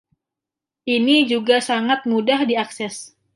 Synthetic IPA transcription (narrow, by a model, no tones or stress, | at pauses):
ʔinid͡ʒuɡasaŋat̪̚mudahdiaksɛs